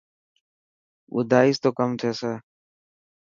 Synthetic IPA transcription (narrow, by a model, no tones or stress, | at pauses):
ʔʊ̰d̪aːiːst̪oːkəmt̪ʰeːseː